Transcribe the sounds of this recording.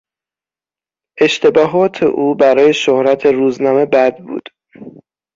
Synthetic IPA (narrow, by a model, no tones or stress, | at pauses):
ʔe̞ʃt̪ʰe̞bɒːɦɒːt̪ʰe̞̰ʔuːbæɾɒːje̞ʃohɾæt̪ʰe̞ɾuːznɒːme̞bæd̪̚bṵːd̪̥